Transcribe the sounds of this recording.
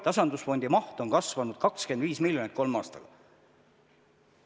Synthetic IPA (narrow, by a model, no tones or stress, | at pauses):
t̪ɑsɑnd̪̥usfo̞nʲd̪imɑht̪o̞nkɑsvɑnud̪̥̚kɑkske̞nd̪viːsmilʲːjonit̪̚ˑko̞lmɑːst̪ɑɡ̥ɑ